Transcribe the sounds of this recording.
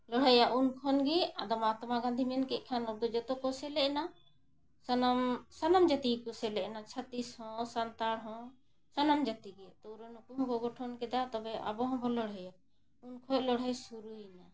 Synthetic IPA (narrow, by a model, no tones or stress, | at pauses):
lɔɽ̤ɦɛjaʔunkʰɔnɡɛad̪amat̪maɡãnd̪ʱimɛnkɛʔ̚ˀkʰanɔɾd̪ɔd͡ʒɔt̪ɔkɔsɛlɛʔna | sanamsanamd͡ʒat̪ikɔsɛlɛʔnat͡ʃʰat̪ishɔ̃sant̪aɽɦɔ̃ | sanamd͡ʒat̪iɡɛt̪ɔuɾɔnukuɦɔ̃kɔɡɔʈʰɔnkɛd̪at̪ɔbɛʔa̰bɔɦɔ̃bʱɔlɔɽ̤ɦɛja | unkʰɔt̚lɔɽ̤ɦɛjsuɾuina